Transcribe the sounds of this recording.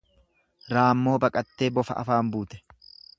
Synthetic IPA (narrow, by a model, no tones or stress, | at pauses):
ɾaːmːo̞ːbɐkʼɐt̪ːe̞ːbɔfɐ̰ʔɐ̰faːmbuːt̪ɛ̥